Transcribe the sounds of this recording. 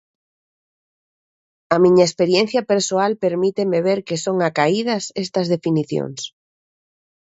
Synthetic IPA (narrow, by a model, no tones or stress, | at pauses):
amĩɲaespeɾjen̟θjapeɾsoalpeɾmit̪emeβ̞eɾkesoŋakaið̞ɐsest̪ɐzðefiniθjo̰ŋs